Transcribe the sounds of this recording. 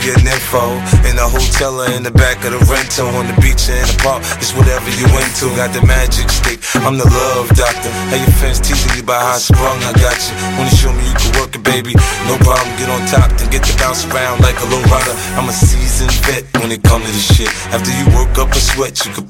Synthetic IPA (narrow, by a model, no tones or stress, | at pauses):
ɡɛɾnɛfoʊɨ̃nðəɦoʊtʰɛlˠə˞ɨ̃nðɨbækʌɾəɹɛ̃ntʰoʊə̃nðɨbit͡ʃɨ̃ɨ̃nəpʰɑɹt̚d̥ʒ̥ʌst̚wʌɾɛvə˞jɨwɛ̃ntʰɨə̃nɡɑt̪̚ðɨmæd͡ʒɪkstɪkãɪ̃mðəlʌvdɑk̚tə˞hɨjə˞fɛ̃nstʰit͡ʃɪ̃libaɪhaʊskɹʌ̃ŋaɡɑt͡ʃɨ | wə̃njɨʃoʊmijɨkʰɨd̚wɜ˞kɨbeɪbinoʊpʰɹ̥ɑblə̃m̩ɡɛɾn̩tʰɑp̚ɨ̃nɡɛt̪̚ðɨbãʊ̃sɹãʊ̃ndlaɪkəloɹaɾə˞ãɪ̃məsizɨ̃nbɛt̚wə̃nɨt̚kʰʌ̃mtɨ̃ɾɨʃɪɾ | æftə˞jɨwɜ˞kʌpəswɛt͡ʃjɨkʰɨ